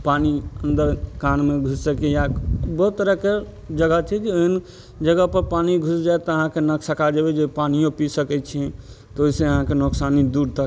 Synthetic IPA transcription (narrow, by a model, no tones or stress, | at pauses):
paniənd̪əɾkanmẽɡʱussəkijabɔɦt̪ːəɾəɦke | d͡ʒəɡət͡ʃʰɛd͡ʒeoɦən | d͡ʒəɡəpəɾpaniɡʱusd͡ʒaet̪ɔəɦãkenəksəkad͡ʒəbed͡ʒepanijõpisəkɛt͡ʃʰiɛ̃ | t̪ɔoɦiseəɦãkenoksanid̪uɾt̪ək